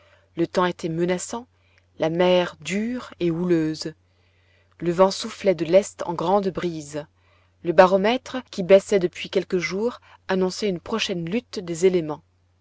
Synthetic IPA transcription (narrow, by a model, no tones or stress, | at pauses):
lət̪ɑ̃et̪ʰɛmənasɑ̃ | lamɛʁd̪yʁeuløz | ləvɑ̃suflɛd̪əlɛst̪ɑ̰̃ɡʁɑ̃d̪bʁiz | ləbaʁɔmɛt̪χəkʲibɛsɛd̪əpɥikʲɛlkəʒuːʁ | anɔ̃sɛynpχɔʃɛnlyt̪d̪ezelemɑ̃